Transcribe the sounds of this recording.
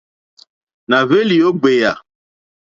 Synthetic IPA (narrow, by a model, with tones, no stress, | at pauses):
na˨ve˦li˨o˦ɡ͡be˨ja˨